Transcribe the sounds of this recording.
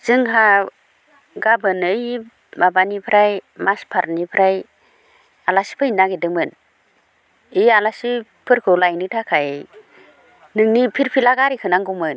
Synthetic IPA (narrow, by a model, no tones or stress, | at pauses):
z̥ɯŋɦa | ɡabɯnɯj | mabanipʰɾajmaspʰaɾnipʰɾaj | alasi̥pʰɯnːaɡedɯmɯn | ijalasipʰɯɾkʰɯlajnɯtʰakʰaj | nɯŋnipʰiɾpʰilaɡaɾikʰɯnaŋɡumɯn